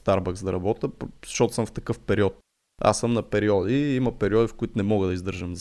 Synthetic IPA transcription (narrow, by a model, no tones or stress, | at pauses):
t̪aɾbəkzd̪ɐɾɐbɔt̪əpz̥ɐ̥ʃt̪ɔt̪ʊ̥sə̃mft̪ɐkɤfpɛɾiɔt̪ | a̰səmnɐpɛɾiɔd̪iimɐpɛɾiɔd̪ifkʊit̪ʊnɛmɔɣəd̪ɐizd̪ɤɾʒəmz